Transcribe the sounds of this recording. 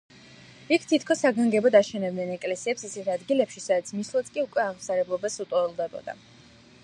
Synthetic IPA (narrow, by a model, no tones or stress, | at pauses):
ikʰt̪ʰit̪ʰkʰɔsːaɡaŋɡɛbɔd̪aʃɛnɛbd̪nɛnɛkʼlɛsiɛpsisɛt̪ʰad̪ɡilɛpʃisad̪at̪sʰmislˠat̪sʰkʼiukʼwɛaʁmsaɾɛblˠɔbasut̪ʼɔɛlˠd̪ɛbɔ̰d̪a̰